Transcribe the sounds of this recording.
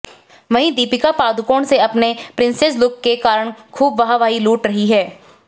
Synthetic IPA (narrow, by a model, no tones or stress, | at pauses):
ʋɐɦĩd̪iːpɪkapaːd̪ʊkoːɽ̃seɐpnepɾɪ̃nsɛslʊkːekaːɾəɽ̃kʰuːbʋɐɦaʋaːiluːʈɾɐɦiɦɛː